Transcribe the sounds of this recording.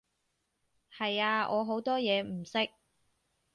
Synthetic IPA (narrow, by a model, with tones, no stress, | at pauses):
hɐ˨jaː˧ɔː˨˧ɦo˨˥wt̪ɔː˥jɛː˨˧m̩˨˩sɪ˥k̚